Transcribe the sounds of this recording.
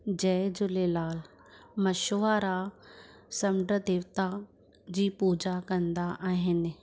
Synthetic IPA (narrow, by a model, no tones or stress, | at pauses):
d͡ʑɐːd͡ʑʊlelaːl | mɐʃoːaɾa | sɐmɖəd̪eːʋt̪a | d͡ʑiːpuːd͡ʑakɐ̃nd̪aʔaːɦɪnɪ̆